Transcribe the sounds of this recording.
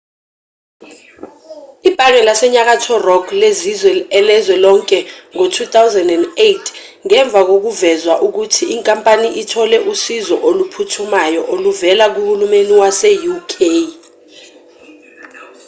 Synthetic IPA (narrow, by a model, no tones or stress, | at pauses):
ib̥ʱʼaŋɛlasɛɲak̬atʰɔrɔɡlezizwɛɛlɛzwɛlɔŋkʼɛŋotʰut̪awzandɛndejtʰ | ŋɛɱb̪vʱak̬ok̬uvɛzwaʔuk̬utʰiiŋkʼampʼaniʔitʰɔlɛʔusizɔ̰ʔolupʰutʰumajɔʔoluvɛlak̬uɓulumeniwasɛjukʰej